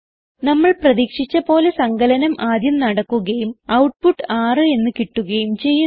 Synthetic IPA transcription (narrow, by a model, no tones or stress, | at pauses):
nɐmːɐɭprɐðiːkʂit͡ɕːɐpo̞ːle̞sɐŋɡɐlɐnɐmʔaːd̪jɐmnɐɽɐkːuɣɐjumɐwʈ̚puʈːaːrɨe̞nːɨkiʈːuɣɐjumt͡ɕe̞jːu